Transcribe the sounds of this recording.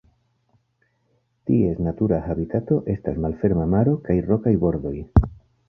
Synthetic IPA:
tie̞snatuɾaxabitato̞ʔe̞stasmalfe̞ɾmamaɾo̞kajro̞kajboɾðo̞j

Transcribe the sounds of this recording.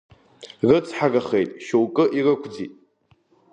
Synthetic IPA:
rɨt͡sʰʼħaraχejtʼʃowkʼɨʔirɨkʷʰd͡zḭtʼ

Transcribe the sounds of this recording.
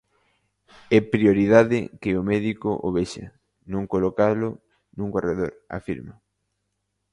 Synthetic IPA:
ɛpɾioɾiðaðɪ̰kɪomɛðikʊʔoβeʃa̰ | nõŋkolokalʊ | nũŋɡoreðoɾa̰fḭɾma

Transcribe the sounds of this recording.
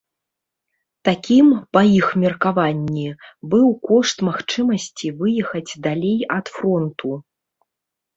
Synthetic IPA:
t̪akʲimpɐixmʲɛrkavanʲːibɨwkɔʂt̪maxt͡ʂɨmɐsʲt͡sʲivɨjɛxɐd͡zʲd̪alʲejɐt̪fɾɔnt̪u

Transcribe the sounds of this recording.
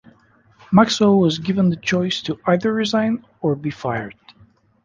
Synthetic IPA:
maksowʌzɡɪvə̃nðət͡ʃʰɔɪstʰuʔaɪðə˞ɹɪzãɪ̃n | əɹbifaɪə˞d̥

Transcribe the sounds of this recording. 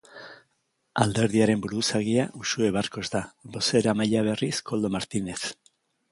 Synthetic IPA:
a̰ld̪e̞ɾðiaɾe̞mbuɾusaɣiaʔusue̞β̞arko̞zd̪abo̞se̞ɾamaʎaβ̞e̞risko̞ld̪o̞maɾt̪ine̞θ

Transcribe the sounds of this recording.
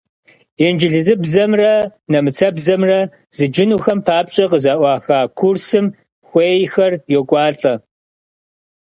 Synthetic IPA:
end͡ʒɪɮzɨbzɐmrɐnɐmɨt͡sʰɐbzɐmrɐ | zɨd͡ʒɪnuːxɐmpʰaːpɕʼɐqəzaːʔʷɑːxaːkʰursɨm | xʷeːjxɐrjɔkʷʼɑːɬʼɐ

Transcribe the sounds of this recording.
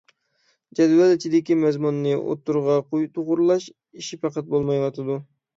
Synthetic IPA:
d͡ʒɛd̪wɑlɪt͡ʃʰid̪ɪkʲimɛzmunːɨʔo̰t̪ːuɾʁɑqojt̪ʰoʁʊɾlˠɑʃ | iʃipɑqɑt̪̚bolˠmɑjwɑt̪ʰɨd̪u

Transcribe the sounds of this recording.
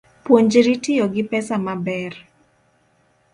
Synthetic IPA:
pwoɲd͡ʒɾitijɔɡɪpɛsamabɛr

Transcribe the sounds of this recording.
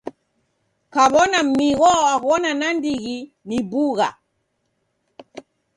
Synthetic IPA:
kaɓɔnam̩miɣɔakɔnanandiɣi | nibuɣa̰

